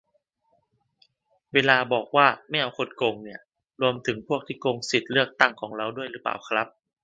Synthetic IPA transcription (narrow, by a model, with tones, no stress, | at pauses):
weː˧laː˧bɔː˨˩k̚waː˥˩m˥˩jʔa˧˩wkʰo˧˥nko˧ŋni˥˩ɐ | ɾu˧əmt̪ʰɯ˩˦ŋpʰu˥˩ək̚t̪ʰiː˥˩ko˧ŋsi˨˩t̪̚lɯ˥˩ək̚t̪a˥˩ŋkʰɔː˩˦ŋɾa˧˩wdu˥˩əjɾɯː˩˦pa̰ː˨˩wkʰɾa˦˥p̚